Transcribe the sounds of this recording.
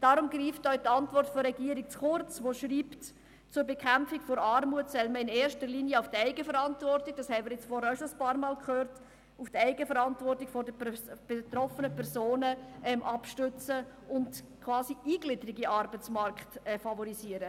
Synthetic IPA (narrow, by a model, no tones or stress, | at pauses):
d̥ɑɾʊmɡɾiːftœɥtɑntvʋɔrtfɔɾɾɛɡ̥iːəɾik̚t͡sχʊɾt͡sʋoʃɾiːpt | t͡sʊɾbekχæmpfikfoɾɑɾmuətsɛlməɪneːɾʃtəɾliːniəʊfd̥əɛɪɡəfəɾɑntvɔrtɪk̚d̥ɑːshɛɪmɪɾjɪt͡sfɔɾhɛɾaʊʃoəspɑːɾmɑːlkχøːɾt | ufd̥əɛɪɡəfəɾɑntvɔrtɪkfɔdəb̥et̪ɾɔfənəpʰɛɾzoːnəʔɛmʔɑpʃtʏt͡sə | ʊndkʰvɑːsiiːɡlɪdəɾiɡiʔɑɾbət͡smɑɾkχtɛfɑvɔɾisiəɾə